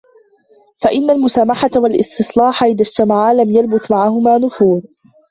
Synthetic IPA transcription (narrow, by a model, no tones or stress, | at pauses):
faʔɪnːalmʊsaːmaħawalʔɪ̰st̪ɨsˤlɑːħaʔɪðad͡ʒt̪amaʕalamjalbʊθmaʕahʊmaːnʊfuːð